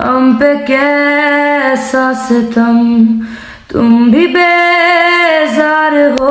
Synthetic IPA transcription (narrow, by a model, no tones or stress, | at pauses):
ɐ̰mpekɛ | saset̪ʰɐm | t̪ʊmbʱibeː | zaːɾɦo